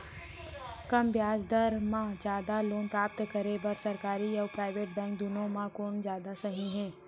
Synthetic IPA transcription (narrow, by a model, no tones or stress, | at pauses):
kɐmbjaːd͡ʒd̪əɾmãd͡ʒjaːd̪aloːnpɾaːp̚t̪kəɾebɐɾsɐɾkaːɾiɔːɾpɾaːɪʋeːʈ̚bɛ̃ːŋkd̪unõmãkoːnd͡ʒjaːd̪asɐɦĩɦɛ̃ː